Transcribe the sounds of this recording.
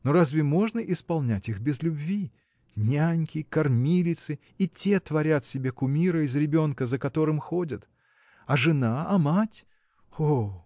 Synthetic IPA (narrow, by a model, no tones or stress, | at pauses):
noɾazʲvʲɪmo̞ʐnəʔɪspɐlˠnʲætʲixbʲɪzlʲʊbvʲi | nʲanʲkʲɪkɐrmʲilʲɪt̪sɨ | itʲet̪vɐɾʲat̪sʲɪbʲe̞kʊmʲiɾəɪzɾʲɪbʲo̞nkəzəkɐt̪o̞ɾɨmxo̞dʲət̪ | ɐʐɨnaɐmatʲ | o